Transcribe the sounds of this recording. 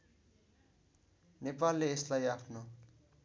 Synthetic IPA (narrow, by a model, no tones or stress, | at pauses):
nepalːeːslajapʰno